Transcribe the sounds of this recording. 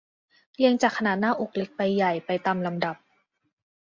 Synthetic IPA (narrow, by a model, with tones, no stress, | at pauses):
li˧əŋt͡ɕaː˨˩k̚ʰa˧naː˨˩t̪̚naː˥˩ʔu˨˩k̚le˦˥k̚pa˧jːa˨˩jpa˧jt̪aː˧mla˧mda˨˩p̚